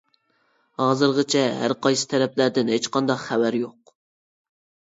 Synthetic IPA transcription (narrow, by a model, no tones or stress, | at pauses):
hɑːzɨɾʁɨt͡ʃʰɛɦæ̰ɾqʰɑjsɨ̥t̪ʰæɾɛplæɾd̪ɪnɦet͡ʃqʰɑnd̪ɑqχævæɾjoq